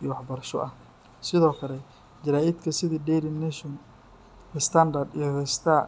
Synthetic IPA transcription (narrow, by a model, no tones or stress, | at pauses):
iːwɑħbɐrʃɔ̰ʔɐh | sɪðɔːkʰɐlɛ | d͡ʒɪɾaːɪd̪kʰɐsɪðiːɖɛjɾɪnɛʃɔn | ɛst̪ʰɐnd̪ɐrd̪ijɔhɛst̪ʰaː